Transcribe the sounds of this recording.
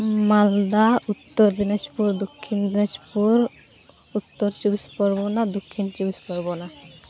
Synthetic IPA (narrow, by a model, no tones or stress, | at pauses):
mald̪aut̪ːoɾd̪ined͡ʒpuɾd̪okʰːind̪ined͡ʒpuɾ | ut̪ːoɾt͡ʃubispɔɾbonad̪okʰːint͡ʃubispɔɾbona